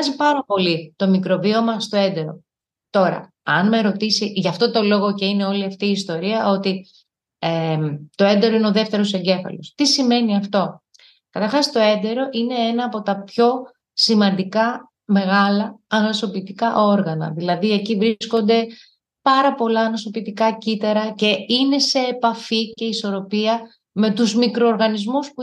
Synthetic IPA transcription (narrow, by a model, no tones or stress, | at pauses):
zipɐɾɐpo̞lit̪o̞mikɾo̞vio̞mɐst̪o̞e̞nd̪e̞ɾo̞̰ | t̪o̞ɾɐ̰ | ɐnme̞ɾo̞t̪isiʝɐft̪o̞t̪o̞lo̞ɣo̞ce̞ine̞o̞liɐft̪iːst̪o̞ɾiɐo̞t̪i | et̪o̞e̞nd̪e̞ɾo̞ineoðe̞ft̪e̞ɾo̞se̞ɲɟe̞fɐ̰lo̞st̪isime̞niɐft̪o̞ | kɐt̪ɐɾxɐst̪o̞e̞nd̪e̞ɾo̞ʔine̞enɐːpo̞t̪ɐpço̞ | simɐnd̪ikɐ | me̞ɣɐlɐɐnoso̞pit̪ikɐʔo̞ɾɣɐnɐ̰ðilɐðie̞civɾisko̞nd̪e̞ | pɐɾɐpo̞lɐːnoso̞pit̪ikɐcit̪ɐɾɐce̞ine̞se̞ːpɐfice̞iso̞ɾo̞piɐ | me̞t̪uzmikɾo̞ːɾɣɐnizmuspu